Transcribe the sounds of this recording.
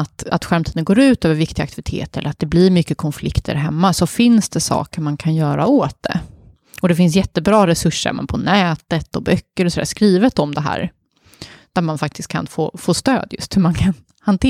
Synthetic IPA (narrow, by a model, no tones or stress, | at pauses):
at̪a̰t̪ɧæɾmt̪ʰiːd̪ənɡoːɾʉ̟ːt̪øːvəɾvɪkt̪ɪɡa̰k̚t̪ɪvɪt̪ʰḛːt̪ɾɛlːəɾat̪̚d̪ɛblɪɾmʏkːəkʰɔnflɪkt̪ʰə̰ɾɦɛmːasɔfɪnsd̪ɛsɑ̰ːkəɾmankʰanjœːɾa̰oːt̪̚d̪ɛ̰ | ɔd̪ɛfɪns̬jɛt̪ːəbɾɑːɾɛsɵʂːə̰mɛ̰npʰɔnɛːt̪ət̪ɔbœkːəɾɔsɔd̪æ̰ːʂskɾiːvət̪ɔmd̪ɛɦæ̰ːɾ | d̪̥æɾmanfak̚t̪ɪst̪̚kʰa̰nfo̰ːfoːst̪ø̰ːd̪jɵ̰st̪hɵmankʰan | hant̪ʰː